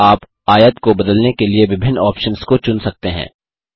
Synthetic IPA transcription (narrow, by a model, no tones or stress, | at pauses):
aːp | aːjət̪kobɐd̪əlnekelieʋɪbʱɪnːɔːpʃənskot͡ʃʊnsɐk̚t̪eɦɛ̰̃ː